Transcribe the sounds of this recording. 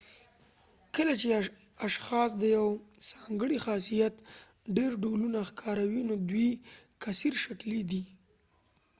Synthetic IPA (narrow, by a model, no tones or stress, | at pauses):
kəlat͡ʃeaʃxɑs̬d̪əjawsɑŋɡəɽixɑsijat̪ | ɖeɾɖolunaxkʰɑɾawinod̪wikasiɾʃaklid̪i